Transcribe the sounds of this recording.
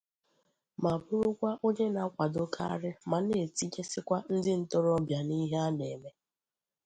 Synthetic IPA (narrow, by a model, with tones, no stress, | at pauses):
ma˨bʊ˦ɾʊ˦kʷa˦ʔo˦ɲe˦na˨˦kʷa˨dʊ˦kʰa̰˦a̰˦ɾɪ˦ma˨ne˨ti˦d͡ʒe˦sɪ˦kʷa˦n̩˦dɪ˦n̩˦tɔ˦ɾɔ˦bja˨ni˦ɦe˦a˦ne˨me˦